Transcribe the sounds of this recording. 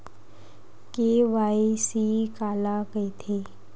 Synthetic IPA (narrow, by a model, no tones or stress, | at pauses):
keʋaːisiːkaːlakəit̪ʰeː